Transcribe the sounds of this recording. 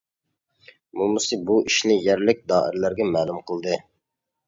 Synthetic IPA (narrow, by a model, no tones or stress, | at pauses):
mumɨsɨbuʔiʃnɪjɛɾlɪk̚ʲd̪ɑːɪ̰ɾlæɾɡʲɛmæːlˠumqʰəlˠd̪ɨ